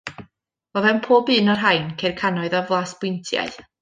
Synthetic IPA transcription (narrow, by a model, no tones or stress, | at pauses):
v̥oðɛnpʰoːbɨːnɔrɦajnkʰejrkʰanɔɨðavlˠaːsb̥ʊjntʰja̰ɨ